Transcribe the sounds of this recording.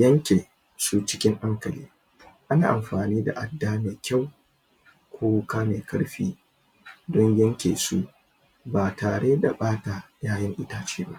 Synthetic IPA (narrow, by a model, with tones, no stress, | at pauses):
jɐ˦ŋkʲeː˨ | su˦t͡ʃɪ˦kʲɪ˦ŋʔa˦ŋkɐ˨liː˦ | ʔa˦na̰ː˨ʔa˨mɸaː˨niː˦da̰˨ʔa˦dːaː˦meː˨kʲa˦˨w | kʷoː˦kaː˦meː˨kɐ˦ɽɸiː˦ | dɔ˦ɲjɐ˦ŋkʲeː˨su˦ | baː˨taː˨ɽeː˦da˨ɓaː˦ta˨jaː˦jɪ˦ŋʔɪ˦taː˦t͡ʃiː˦ba˦